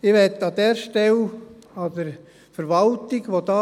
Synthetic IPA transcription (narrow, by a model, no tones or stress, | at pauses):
ɪʋɛt̪ːɑd̥̪ɛːɾʃtɛlɑdəɾ | fəɾʋɑltɪɡʋod̥̪ɑː